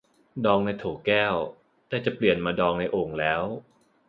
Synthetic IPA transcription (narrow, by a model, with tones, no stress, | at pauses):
dɔː˧ŋna˧jt̪ʰoː˨˩˦kɛː˥˩w | t̪ɛː˥˩t͡ɕa˨˩pli˨˩ənmaː˧dɔː˧ŋna˧jʔoː˧ŋlɛː˦˥w